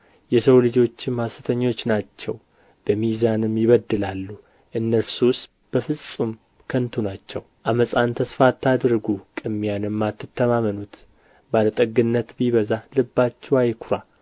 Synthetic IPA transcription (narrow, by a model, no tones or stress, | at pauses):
jɛsəwlɨd͡ʒo̞t͡ʃːɪmhasɨt̪ʰəɲːo̞t͡ʃːnat͡ʃːɛw | b̥əmizanɨmjɪβəd̪ːɨlalːu | ʔɨnːəɾsus | b̥əfɨsʼum | kʰənt̪ʰunat͡ʃːɛwʔaməsʼant̪ʰəsfat̪ːad̪ɾɡukʼɨmːijanɨmːat̪ːɨt̪ːəmamənut̪ | balət̪ʼəɡɨnːət̪biβəzalɨbːat͡ʃːɛwajkʰuɾa